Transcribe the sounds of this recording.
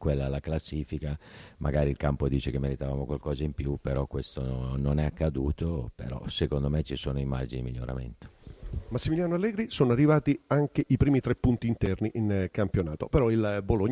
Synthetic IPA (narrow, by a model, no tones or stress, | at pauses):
kwelːalaklasːiːfikamʔa̰ɡaːɾilkampod̪iːt͡ʃekemːeɾit̪avaːmokwalkɔːzaimpjupeɾɔkwest̪ononɛakːad̪uːt̪opḛɾɔ̰sekond̪omet͡ʃːisoːnoima̰rd͡ʒiniimiʎːoɾa̰mḛnt̪o̥masːimiljaːnoalːɛːɡɾisoːnoarːivaːt̪iaŋkeʔipɾiːmit̪ɾepːunt̪iːnt̪ɛrniʔinkampjonaːt̪opeɾɔilboloɲ